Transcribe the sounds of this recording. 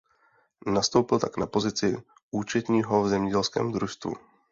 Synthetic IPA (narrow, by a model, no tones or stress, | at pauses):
nast̪owpɪlt̪aknapo̞zɪt͡sɪ | ʔuːt͡ʃɛt̪ɲiːɦovzɛmɲɛɟɛlskɛ̰ːmd̪ɾuʃst̪vṵ